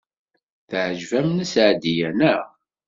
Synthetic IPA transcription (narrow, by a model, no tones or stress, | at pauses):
θʕʒvæmnəsʕd̪ijænæ